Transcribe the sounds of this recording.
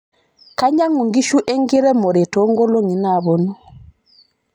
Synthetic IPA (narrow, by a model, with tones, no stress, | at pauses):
ka˦ɲa˦ŋu˨ŋɡi˦ʃu˦ʔɛ˦ŋɡi˦ɾɛ˦mɔ˨ɾɛ˨tɔ˦ŋɡɔ˦lɔ˦ŋi˨na˦˨βɔ˨nɔ˦